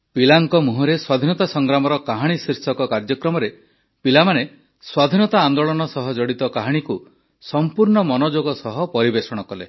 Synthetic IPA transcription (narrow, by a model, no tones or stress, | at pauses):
pilaŋkɔmuɦɔɾeswad̪ʱinɔt̪asɔŋɡɾamɔɾɔkaɦaɽ̃isiɾsɔkɔkaɾd͡ʒɔkɾɔmɔɾe | pilamane | swad̪ʱinɔt̪aːnd̪oɭɔnɔsɔɦɔd͡ʒɔɽit̪ɔkaɦaɽ̃iku | sɔmpuɾɳɔmɔnod͡ʒoɡɔsɔɦɔpɔɾibesɔɽ̃ɔkɔle